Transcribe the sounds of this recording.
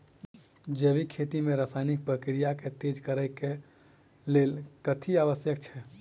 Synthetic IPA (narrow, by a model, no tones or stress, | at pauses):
d͡ʒebikʰet̪imẽɾəsaɪnik̚pɾəkɾijaket̪ed͡ʒkəɾəjke | lelkət̪ʰiaʋəsjək̚t͡ʃʰɛ